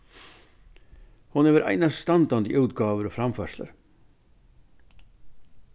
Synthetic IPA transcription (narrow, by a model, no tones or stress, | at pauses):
hʊneːʋəɾʔæ̰ɪnɑsst̪ɑnd̪ɑːnd̪ɪ̰ʔʉʉːt̪ɡɑːʋəɾoːfɾɑmfœʂlə̰ɾ